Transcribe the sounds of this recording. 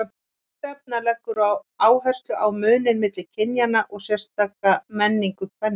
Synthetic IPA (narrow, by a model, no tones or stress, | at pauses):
t̪ɛp̚nalɛkːʏɾaw | aːwɦœstlʏʔawmʏːnɪnmɪːt̪lɪl̥cʰɪnjanaʔɔɣsjɛr̥st̪aːkːamɛnːiŋkʏkʰvɛnː